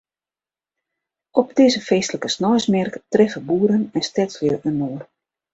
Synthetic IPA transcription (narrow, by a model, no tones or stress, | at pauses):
ɔpdeːzəfeːstələkəsnɔjsmɛrktrɪxəbuəɾənɛnstɛsəljəʔənoːər